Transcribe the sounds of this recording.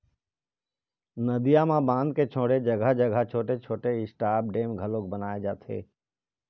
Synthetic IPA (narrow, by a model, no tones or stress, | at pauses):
nəd̪ijãmãbãːnd̪̚ket͡ʃʰoːɽed͡ʒɐɡʱəd͡ʒəɡʱət͡ʃʰoːʈet͡ʃʰoːʈeɪsʈaːp̚ɖeːmɡʱəlõk̚bənaːed͡ʒaːt̪ʰḛː